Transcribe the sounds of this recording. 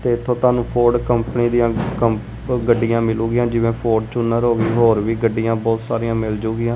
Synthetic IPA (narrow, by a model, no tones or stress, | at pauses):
t̪eːɪt̪ʰːõːt̪ʊaːnũːpʰoːɾɖkəmpəniːd̪ijãːkəm | ɡəɖːɪjãːmɪluːɡɪjãːd͡ʒɪʋẽːpʰoːɾɖt͡ʃʊnːəɾɦoːʋiːɦoːɾʋiːɡəɖːijãːbɔːt̪saːɾijãːmɪld͡ʒuːɡɪjãː